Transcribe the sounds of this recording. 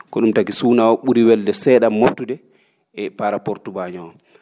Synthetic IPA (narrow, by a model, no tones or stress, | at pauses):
kɔɗumtakisuːnawɔɓuɾiwɛldɛsɛːɗamːotːudɛ | ɛpaɾapoɾtubaɲɔ